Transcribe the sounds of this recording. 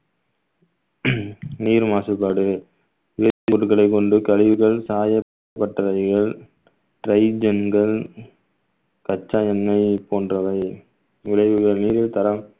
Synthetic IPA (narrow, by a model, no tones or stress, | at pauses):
niːɾmaːsɯpːaːɽɯe | ɪɐt͡ʃːɾɯɣɐɭɐɪkːɔɳɖɯkɐɻɪʋɯɣɐɭsaːjɐ | pːɐʈːɐɐɪɣɐɭ | ʈɾɐɪd͡ʒɛnɡɐɭ | kɐt͡ʃːaːjɐnːɐɪpoːndrɐʋɐɪ | ɪɻɐɪʋɯɣɐɭniːɾɪlt̪ɐɾɐm